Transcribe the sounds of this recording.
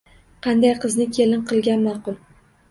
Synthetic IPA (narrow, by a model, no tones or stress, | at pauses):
qʰɑnd̪ajqʰɨznɪkʲʰelɪnqʰɨlˠɡʲanmɑqʊlˠ